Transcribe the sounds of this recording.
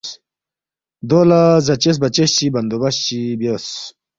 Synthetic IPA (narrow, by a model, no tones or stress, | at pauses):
d̪olazɐt͡ɕes̬bɐt͡ɕeɕt͡ɕibɐnd̪obɐɕt͡ɕibjos